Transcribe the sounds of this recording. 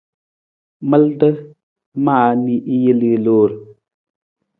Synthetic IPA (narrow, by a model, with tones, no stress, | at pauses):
mə˦ldə˦ | maː˦˨mi˦ʔi˦jə˦lɨ˨loː˨˦˨ɾ